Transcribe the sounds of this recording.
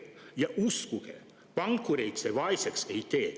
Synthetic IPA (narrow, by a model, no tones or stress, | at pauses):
jɑʔuskukḛ | pɑŋkːuɾejt̪seʋɑisekseit̪eː